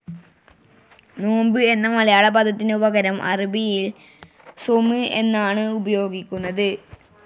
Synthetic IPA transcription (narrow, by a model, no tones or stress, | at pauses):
noːmbɨe̞nːɐmɐlɐjaːɭɐbɐd̪ɐt̪ːineubɐɣɐɾɐmʔɐ̰ribijil | somɨe̞nːaːɳɨubɐjo̞ːɡikʲːunːɐðɨ